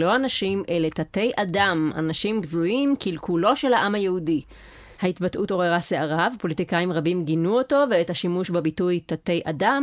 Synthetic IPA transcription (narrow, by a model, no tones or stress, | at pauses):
lo̞anaʃimʔe̞let̪ate̞jʔadama̰naʃimbzujimkʰilkulo̞ʃe̞lhaʔamhajehudi | haitbatʔuto̞ʁeʁaseaʁavepo̞litikaimʁabimɡinuoto̞veethaʃimuʃbabitujtate̞jʔa̰dam